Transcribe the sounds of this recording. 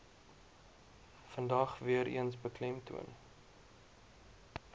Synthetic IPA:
fəndɐχviəɾḭənsbəklɛmtṵə̰n

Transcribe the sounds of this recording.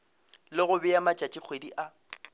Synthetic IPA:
lɪɣʊbɪamat͡ʃʼat͡ʃʼik͡xʰwediʔa

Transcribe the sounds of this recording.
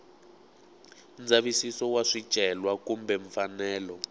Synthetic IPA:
nd͡zʱaβisisɔwaʂi̥ʒ̥ʼʱɛlwakumbɛɱfanɛːlɔ

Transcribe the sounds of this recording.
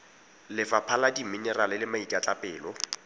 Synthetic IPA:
lɪfapʰaladiminɛralɪlɪmaitʼat͡ɬʼapʼɛːlɔ

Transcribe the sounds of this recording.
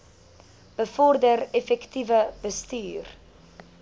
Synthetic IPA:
b̥əfɔrdərɛfɛktivəbəstyːr

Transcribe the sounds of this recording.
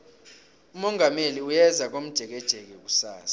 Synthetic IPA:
umɔŋʱameliujɛzʱak̬ʼom̩d̥ʒ̥ʱɛk̬ɛd̥ʒ̥ʱɛk̬ɛk̬usaːsḁ

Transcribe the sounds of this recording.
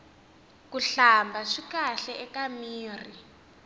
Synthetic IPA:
kuɬambʱaʂikaɬɛʔɛkamiːr̤i

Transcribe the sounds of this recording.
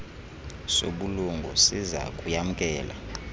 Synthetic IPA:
soɓuluŋɡʱɔ̰siza̰kʼujam̩kʼɛːla̰

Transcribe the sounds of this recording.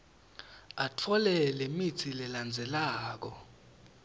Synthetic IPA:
atʰɔlɛlemitʰilɛland͡zʱɛlaːk̬ɔ

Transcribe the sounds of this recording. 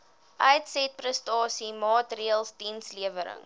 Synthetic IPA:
ʔœjtsɛt̚prəstɑːsimɑːtriəlˠsdinsliəvəɾə̰ŋ

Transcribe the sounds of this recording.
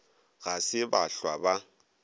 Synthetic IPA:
ɣasɪbaɬwaba

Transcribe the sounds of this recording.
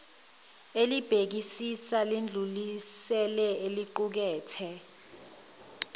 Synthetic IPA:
elib̥ʱek̬isisalind͡ɮʱulisɛlɛeliǃuk̬ɛːtʰɛ

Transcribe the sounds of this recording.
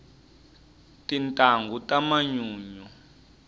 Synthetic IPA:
tintʼaŋɡutʼamaɲuːɲɔ

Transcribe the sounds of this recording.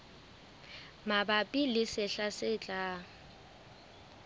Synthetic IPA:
mabapʼilɪsɪɬasɪt͡ɬʼaː

